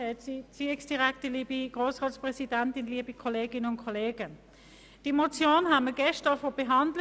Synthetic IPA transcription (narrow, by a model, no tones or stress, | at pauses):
ɛsit͡siɛksd̥iʁɛktəliːbiɡ̥ʁoːsʁɑːtspʁɛsidɛntɪnliːbikʰoleːɡɪnənʊnkʰɔleːɡ̥ə | d̥imot͡sjoːnɦaməɡ̥ɛʃtəfob̥ɛɦɑndl